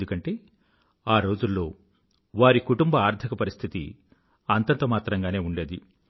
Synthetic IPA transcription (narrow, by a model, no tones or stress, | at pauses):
d̪ukɐɳʈe̞ː | aːɾo̞ːd͡ʒulːo̞ː | ʋaːɾikuʈumbɐaːɾt̪ʰikɐpɐɾist̪ʰit̪ḭ | ɐnt̪ɐnt̪oːmaːt̪ɾɐŋɡaːne̞ːuɳɖe̞ːd̪i